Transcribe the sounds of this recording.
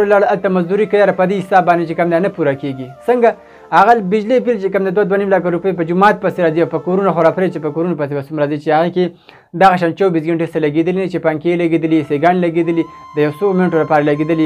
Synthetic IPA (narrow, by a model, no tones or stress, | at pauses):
laɽalt̪amazd̪uɾikajɑɾapəd̪ehsɑbɑnd̪et͡ʃekamd̪enapuɾakeɡisəŋɡa | haɣalbɪd͡ʒlepilt͡ʃekəmd̪ed̪wad̪wanimlakaɾupəjp̬əd͡ʒʊmɑt̪̚pəseɾɑziawpəkoɾunaxoɾapɾet͡ʃepəkoɾunopəsebasumɾɑzit͡ʃeaɣeke | d̪aɣaʃ̬ɑnt͡ʃawbiszɡeɳʈesalaɡed̪əlinat͡ʃepaŋkelaɡed̪əliseɡɑnelaɡed̪əlid̪əjawsomɪnaʈolapɑɾalaɡed̪əli